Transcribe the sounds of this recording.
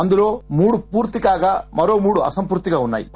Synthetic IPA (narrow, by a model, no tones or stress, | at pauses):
ɐnd̪iɾoːmuːɽupuːɾt̪ikaːɡɐmɐɾoːmuːɽuɐ̰sɐmpuːɾt̪ikɐunːa̰ːjḭ